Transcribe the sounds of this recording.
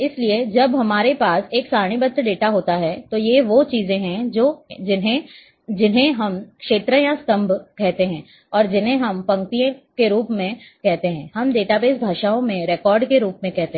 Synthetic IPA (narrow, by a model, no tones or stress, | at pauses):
ɪslied͡ʒɐbɦɐmaːɾepaːseːksaːɽ̃ibət̪əɖeːʈaɦoːt̪aɦɛt̪ojeʋot͡ʃiːzẽɦɛ̃d͡ʒoːd͡ʒɪnɦẽ | d͡ʒɪnɦẽɦɐmkʃeːt̪ɾəjast̪ɐ̃mbʱkɛɦt̪eɦɛ̃ː | ɔːɾd͡ʒɪnɦẽɦɐmpɐ̃ŋkt̪ijõkeɾuːpmẽkɛɦt̪eɦɛ̃ːɦɐmɖeːʈabeːsbʱaːʃaːõmẽɾɛːkɔːɾɖkeɾuːpmẽkɛɦt̪e